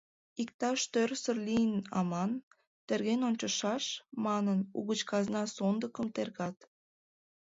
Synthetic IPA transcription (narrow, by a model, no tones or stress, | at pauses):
ik̚t̪ɑʃt̪ørsərlijənɑ̰mɑn | t̪erɣenonʲt͡ɕəʃɑʃmɑnənṵɣət͡ɕkɑznɑsond̪əkəmt̪erɣɑt̪